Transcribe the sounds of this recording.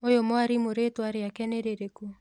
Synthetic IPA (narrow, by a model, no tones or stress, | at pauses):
ojomoaɾimoɾetwaɾeakɛneɾeɾeku